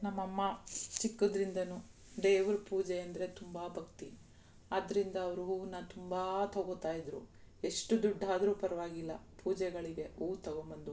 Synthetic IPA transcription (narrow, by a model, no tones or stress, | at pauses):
nɐmːɐmːɐt͡ʃikːud̪ɾind̪ɐnuː | ɖeːʋuɾpuːd͡ʒɛɐnd̪ɐɾe̞t̪umbaːbʱɐkt̪i | ɐd̪ɐɾind̪ɐːʋɐɾuɦuːnːɐt̪umbat̪ɐɡot̪aːjid̪ɾu | e̞ʂʈud̪uɖʱːaːd̪ɾuːpɐɾɐʋaːɡilːɐ̰pʰuːd͡ʒɛɡɐɭiɡe̞uːt̪ɐɡombɐnd̪u